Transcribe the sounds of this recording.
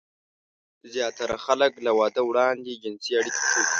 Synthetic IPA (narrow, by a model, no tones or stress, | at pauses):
zjɑt̪aɾaxaləklawɑd̪əwɽɑnd̪ed͡ʒɪnsiaɽikʰḁkʰəwi